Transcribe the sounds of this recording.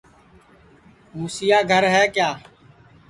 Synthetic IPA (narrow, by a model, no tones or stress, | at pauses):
muːsɪjaːɡʱəɾɦɛːkjaː